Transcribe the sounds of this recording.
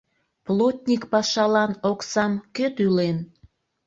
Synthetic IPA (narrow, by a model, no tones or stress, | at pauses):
plot̪ʲnʲikpɑʃɑlɑnoksɑmkøt̪ylen